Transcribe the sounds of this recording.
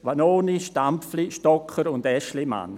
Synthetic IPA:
ʋanoːniʃtamfliʃtɔkʰːəɾʊndɛʃlima̰n

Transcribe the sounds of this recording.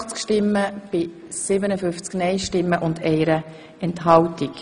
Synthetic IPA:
χt͡skʃtɪmːəb̥ɪ | sɪbənəfʏft͡sknɛɪʃtɪmːəʔʊndɛɪɾə | ɛntɦɑltik

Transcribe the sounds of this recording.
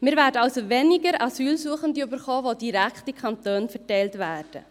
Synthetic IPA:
mɪːɾvæːɾdəɑlsovɛnɪɡəɾɑsyːlsuəχəndiybəɾχoːvodiɾækχtikʰχɑntøːnfɛtɛɪltvæːrd̥ə

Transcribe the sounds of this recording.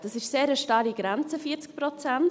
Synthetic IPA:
d̥ɑsɪʃseːɾəʃtɑɾiɡɾɛnt͡səfiːət͡sk̚pɾɔt͡sant

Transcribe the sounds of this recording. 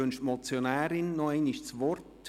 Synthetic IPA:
ʏnʃtmɔt͡sjonɛːɾɪnːoenɪʃt͡sʋɔrt

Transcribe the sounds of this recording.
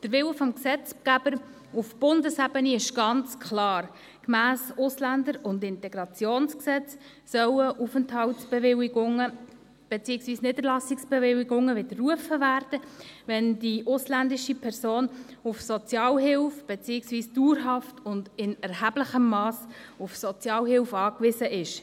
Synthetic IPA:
d̥əɾʋɪwəfɔmksɛt͡sɡ̥æb̥əɾ | ufb̥ʊndəsæb̥əniɪʃɡ̥ɑnt͡skχlɑːr | kmæːsʊslændəɾʊndɪntɛɡ̥ɾɑt͡sjoːnsksɛt͡s | sœwəʔufənthɑltsb̥eʋɪwiɡʊŋə | b̥et͡siːəksviːsnɪdəɾlɑsɪksb̥evɪwiɡʊŋːəʋɪd̪ərːuəfəvæːɾd̥əʋɛnd̥iʔʊslændɪʃipʰɛɾsoːnʊfsɔt͡sjɑːlɦɪlfb̥et͡siːɪksviːsd̥uːɾɦɑftʊndɪnɛɾɦæb̥ləχəmːɑːsʊfsɔt͡sjɑːlɦɪlfɑːkʋɪsəʔɪʃ

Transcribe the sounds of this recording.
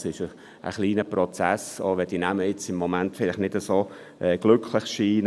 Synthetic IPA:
sɪʃə | ʔə̰χliːnəprot͡sæso̰ʋɛd̥inæməjɪt͡sɪmːomæntfɪlɪχnɪdəsoː | ʔɛɡ̥lʏkʰləχʃiːn

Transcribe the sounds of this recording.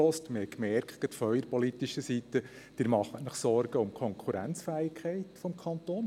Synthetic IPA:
ɔstməhɛkmɛɾkʰkət̪fœʏəɾpɔlit̪iʃəsit̪ə | d̥ɪːɾmɑχːətnəχsɔɾɡ̥əʊmkʰɔŋkʰuɾæ̰nt͡sfæɪkχɛɪt̪fɔmkʰɑnt̪oːn

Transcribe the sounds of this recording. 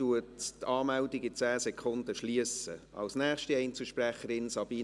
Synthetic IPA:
uəttɑːmældiɡɪt͡sæːsɛkʰχʊndəʃliəsə̰ɑ̰lsnæːχʃtiɛɪnt͡səʃpræχəɾɪnsɑb̥iː

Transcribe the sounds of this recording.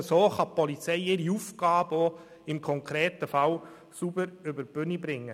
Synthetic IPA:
soːχɑpɔlit͡sɛɪɪɾiufɡ̥ɑːbo | ɪmkʰɔŋkʰɾɛːt̪əfɑl | subəɾʏbəɾb̥ʏnibɾɪŋːə

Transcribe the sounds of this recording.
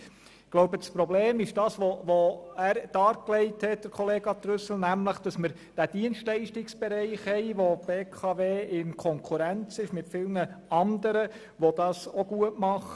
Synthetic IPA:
ɡ̥loʊbəspɾɔbleːmɪʃd̥ɑːsʋoʋoæːɾd̥ɑːɾklɛɪthɛt̚d̥əɾkʰɔleːɡ̥ɑt̪ɾʏsl̩næmləχd̥ɑsməɾ | d̥æd̥iənstlɛɪʃtɪksb̥ɛɾɛɪχhɛɪʋob̥eːkʰɑveːɪnkʰɔŋkʰuɾænt͡sɪʃmɪtfɪlnəɑndəɾə | ʋod̥̪ɑːsoɡ̥uətmɑχ

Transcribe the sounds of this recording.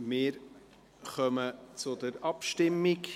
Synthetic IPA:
mɪːɾ | χœmət͡sʊdəɾɑpʃtɪmːɪk

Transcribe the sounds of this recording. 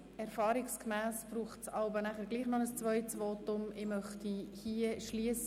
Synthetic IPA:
ɛɾfɑːɾɪkskmæːspɾuːχt͡sɑlbənæχəɾɡliːχnɔnəst͡sʋœʏtsvɔːtʊmɪmœχtihiəʃliəs

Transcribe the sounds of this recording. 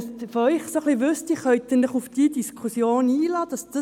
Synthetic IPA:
sfœʏχsoχliʋʏst̪iχœʏt̪ənləχufd̥iːdiskʰusjoːniːlɑːdɑsd̥ə

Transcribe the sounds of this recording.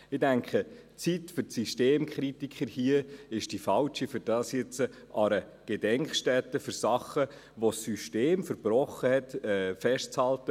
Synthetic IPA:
ɪdæŋkχə | t͡sitfʏɾsyʃteːmkʰχɾitikʰχəɾhiəɪʃd̥ifɑlt͡ʃifyɾd̥ɑːsjɪt͡sə | ʔɑɾə | ɡ̥edɛŋkχʃtɛtːəfʏɾsɑχə | ʋosyʃteːmfəɾb̥ɾɔχːəhɛtɛfɛʃt͡shɑltə

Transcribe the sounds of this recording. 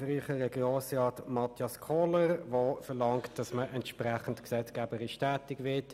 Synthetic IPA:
riːχəɾɛɡjoːsrɑːtmɑtʰjɑskʰɔləɾvoːfəlɑŋktd̥ɑsməʔɛntʃprɛχən̩tksɛt͡skɛːbəɾiʃtɛːtɪɡʋɪɐt

